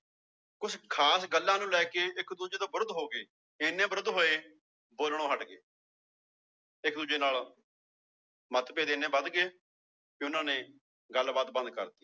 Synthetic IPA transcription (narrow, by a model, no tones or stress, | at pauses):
kʊsʰkʰaːsɡəlːãːnũːlɛːkeːɪkd̪uːd͡ʒeːd̪aːbəɾd̪ɦoːɡeː | eːnẽːbəɾəd̪ɦoːeː | boːlɳoːɦəʈɡḛː | ɪkd̪uːd͡ʒeːnaːl | mət̪peːd̪eːnẽːbəd̪ɡeː | eʊnãːneː | ɡəlbaːt̪̚bə̃nd̪kə̰ɾt̪iː